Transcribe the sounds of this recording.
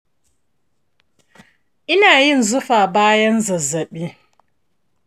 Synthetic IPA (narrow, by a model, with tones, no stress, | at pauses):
ʔɪ˦naː˨jɪ˦˨nzʊ˦ɸaː˨baː˦jɐ˦nzɐ˨zːɐ˨ɓiː˦